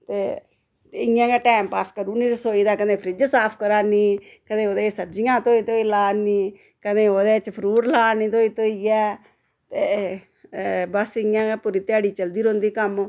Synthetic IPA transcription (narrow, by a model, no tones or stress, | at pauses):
t̪eː | ɪãːɡaːʈɛːmpaːskəɾuːniːɾəsoːiːd̪aːkənẽːpʰɾɪd͡ʒsaːpʰkəɾaːniː | kəd̪ẽːoːd̪eːsəb̚d͡ʒɪjãːt̪oːiːt̪oːiːlaːniː | kəd̪eːoːd̪eːt͡ʃpʰəɾuːɾlaːnĩːt̪oːiːt̪oːiːɛː | t̪eː | bəsɪãːɡaːpʊɾiːt̪jaːɽiːt͡ʃəld̪iːɾõnd̪iːkəm